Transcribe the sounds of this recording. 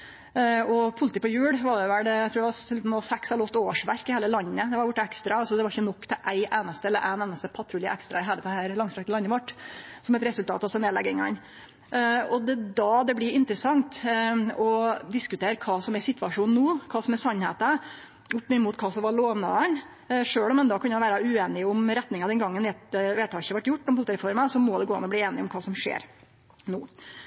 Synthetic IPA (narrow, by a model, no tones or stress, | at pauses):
ɔpʰʊlət̪iːpɔjʉːɽʋɑɖɛʋælɖɛæɪt̪ʰɾuːɖɛʋɑt̪n̩oːsɛksɛləɔt̪ːoːʋəʂʋæɾkɪheːləlɑnːəd̪ɛʋɑɾjʊʈːɛkst̪ɾɑɑlsɔd̪ɛʋɑɾɪçːənɔkːt̪ɛʔæɪʔeːnəst̪əɛlːəɾʔæɪneːnəst̪əpʰɑt̪ʰɾuːlɪəʔækst̪ɾɑɪɦeːlət̪ʰːhæɾlɑŋsɾɑkt̪əlɑnːəʋɑʈːsɔmɛt̪ɾɛsʉlt̪ʰɑ̰ːt̪ɑsɛneːlɛ̰ɡɪŋɑ̰n | ɔd̪ɛd̪ɑːd̪ɛblɪɪnt̪ɾəsɑŋt̪ɔd̪ɪskʉt̪ʰeːɾkʰɑːsɔmɛsɪt̪ʰʋɑʂuːnnuːkʰɑːsɔmɛsɑnhḛːt̪ə | ʊpːmɪnmuːt̪kʰɑːsɔmʋɑɭoːʋnɑd̪ɛn | ʂøːɭɔmɛnd̪ɑkʰʉnːjæʋæːɾɑʉeːnɪʊmɾɛt̪nɪŋɑd̪ɛnɡɑŋːənʋeːt̪ʋeːt̪ʰɑːɕəʋɑʈːjʊʈːɔmpʊlt̪ɪɾɛfɔɾməsɔmɔd̪ɛɡoːɑ̰nːɔbliːeːnɪɔmkʰɑːsɔmʂḛːɾ | nuː